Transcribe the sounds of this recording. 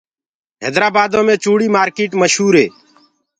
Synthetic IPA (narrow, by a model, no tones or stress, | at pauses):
ɦḛːd̪ɾaːbaːd̪õːmẽːt͡ʃuːɽiːmaːɾkeːʈməʃɦuːɾɦeː